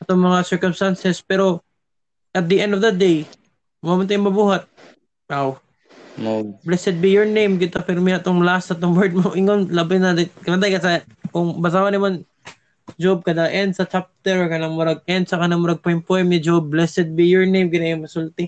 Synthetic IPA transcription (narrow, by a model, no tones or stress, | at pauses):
ʔɐt̪oŋmɐŋasɛɹkomst̪ansɛspɛɾo̞ | ʔɐt̪̚d̪iʔɛ̃nd̪ovd̪ɐd̪ej | mamʊnt̪ajʊŋmɐbuːɦɐt̪̚ | waw | blɛsɛd̪̚bijoɹnejmkɪt̪apɪɾmɪɐt̪oŋlast̪ɐt̪oŋbɛɹd̪̚moʔɪŋonlabanɐd̪ɐkɐnɐnd̪ajkɐsa | kʊŋbɐs̬awɐnɐman | d͡ʒob̚kɐd̪ɐʔɛnd̪̚sɐt͡ʃap̚t̪ɛɾokɐnɐŋmʊɾaɡ̚ʔɛnd̪̚sɐkɐnɐmʊɾaɡ̚pojɪmpoɛmɲɪd͡ʒob̚ːlɛsɛd̪̚bijoɹnejmkɪt̪ajʊŋmɐsʊlt̪ɪ